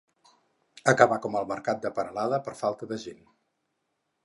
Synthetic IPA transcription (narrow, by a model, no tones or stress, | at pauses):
əkəβakɔməlˠməɾkat̪̚d̪əpənəlaðəpəɾfalˠt̪əðəʒen